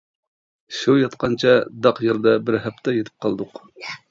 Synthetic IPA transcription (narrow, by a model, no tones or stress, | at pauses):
ʃujɑt̪qʰɑnt͡ʃʰɑd̪ɑqjeɾd̪ɛbɪɾɦæpt̪ʰɛjet̪ʰɪ̥p̚qʰɑlˠd̪ʊq